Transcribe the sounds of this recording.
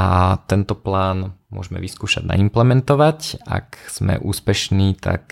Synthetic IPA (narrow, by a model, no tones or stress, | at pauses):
at̪ɛnt̪ɔplaːnmʊɔʒɛmɛ̰ʋiskuːʃaɟna̰implɛmɛnt̪ɔʋaca̰kz̥mɛ̰ʔuːspɛʃniːt̪a̰k